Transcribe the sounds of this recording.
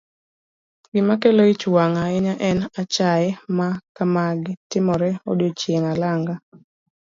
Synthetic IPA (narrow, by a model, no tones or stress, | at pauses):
ɡɪmakeloit͡ʃwaŋaɛɲaʔɛnat͡ʃaɛmakamaɡɪtɪmɔɾɛo̰dot͡ʃjeŋalaŋɡa